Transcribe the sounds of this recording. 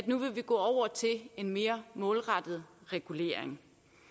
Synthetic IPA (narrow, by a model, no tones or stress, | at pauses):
æd̥nuʋe̝ʋiɡ̥ɔ̰̽ːɒʊ̰ɐt͡sʰe̝le̝nme̝ːɐmɔ̽ːlʁɑd̥ð̞̩ˠʁɛɡ̥ule̝̰ɐ̰eŋ